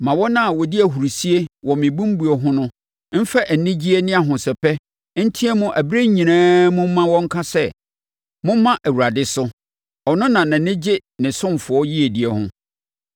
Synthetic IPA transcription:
mã˨wɔ˦nã˦˨wɔ˨di˦æ˨ɦu˨ɾi˨si˦e˦wɔ˨mɪ̃˨bũ˦m̩˦bu˨e˨ɦʊ̃˦nʊ̃˦ | m̩˦fɛ˦ʔæ˨nɪ̃˦d͡ʑi˦e˦nɪ̃˦a˨ɦʊ̃˨sɛ˨pʰɛ˦ | n̩˦tʰi˦ɛ˦mʊ̃˦ʔæ˨bi˦ɾe˦ɲĩ˨nãː˦mʊ̃˦m˦mã˦wɔ̃˦ŋ̩˦kʰa˦sɛ˦ | mʊ̃˦mã˦ʔæ˨wu˨ɾa˨dɪ˨sʊ˦ | ɔ˨nʊ̃˦nã˨nã˨nɪ̃˦d͡ʑɪ˦nɪ̃˨sʊ̃˦mfʊ˨ɔ˦ji˦e˨di˨ɛ˨hʊ̰̃˦

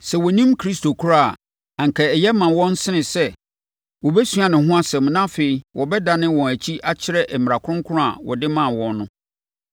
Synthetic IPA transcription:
sɛ˨wɔ˨ɲĩ˦mkʰɾi˦stʰo˨kʰu˦ɾa˦a˨ | ã˨ŋ̩˨kʰɛ˨ɛ˨jɛ˦mã˨wɔ̃˦n˦sɪ˦nɪ̃˨sɛ˦ | wɔ˨bɛ˦sɥa˨nɪ̃˨ɦʊ̃˦a˦sɛ̃˨mnã˦feː˨i˨wʔɔ˨bɛ˦da˨nɪ̃˦wɔ̃˨æ˨t͡ɕʰi˦ʔa˦t͡ɕʰɪ˦ɾɛ˦ʔɛ˨m˨a˨kʰʊ˦ʊ̃˦ŋkʰʊ˦ɾʊ̃˦a̰˨wɔ̰˨dɪ˦mã˨wɔ̃˨nːʊ̃˦

